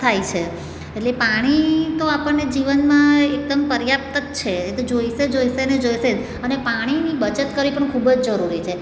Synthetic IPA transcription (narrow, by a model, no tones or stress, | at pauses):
t̪ʰajt͡ʃʰe | eʈlepaɽ̃it̪oapəɳːed͡ʒiʋənmãek̚d̪əmpəɾjap̚t̪ət̪t͡ʃʰeet̪od͡ʒoised͡ʒoisened͡ʒoised͡ʒ | ənepaɽ̃inibət͡ʃət̪kəɾʋipəɳkʰubəd͡ʒd͡ʒəɾuɾit͡ʃʰe